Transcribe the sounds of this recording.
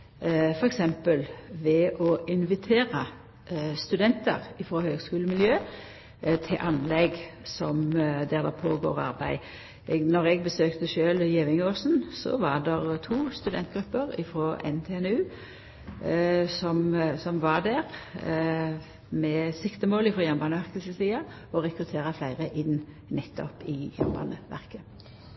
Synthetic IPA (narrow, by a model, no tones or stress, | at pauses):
fɔɾɛksɛmpəlʋɛʔɔʔɪnʋɪt̪ʰeːɾə | st̪ʉd̪ɛnt̪ə̰ʁɪfɾoːhøːɡskʉːləmɪljøː | t̪ʰɪʔɑnlɛɡsɔmd̪æʁd̪ɛpʰoːɡo̰ːʁɑ̰ʁbæɪ | ɛɡnɔʁɛɡ̚bəsøːkt̪əʃøːljeːʋɪŋoːsn̩sɔ̰ʋɑd̪ɛʁt̪ʰuːst̪ʉd̪ɛnt̪̚ɡʁʉpːəʁɪ̰fɾoːʔɛ̰nt̪ʰeːɛnʉː | sɔmsɔmʋɑd̪æʁ | mɛsɪkt̪əmoːlɪfʁoːjɑmbɑːnəʋæʁkəsəsiːɑ | ɔʁɛkɾʉt̪ʰeːʁɑflæɪʁəʔɪnː | nɛt̪ːɔ̰pɪjæ̰mbɑ̰ːnəʋæ̰ʁkə